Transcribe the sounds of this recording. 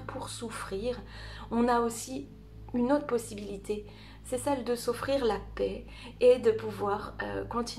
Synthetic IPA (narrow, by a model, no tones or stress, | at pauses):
ʁpʰuʁsufχiːʁ | ɔ̃naosi | ynot̪χəpɔsibilit̪ʰe | sɛsɛld̪əsofχiʁlapɛ | ed̪əpuvwaʁø̰kɔ̃t̪ʰi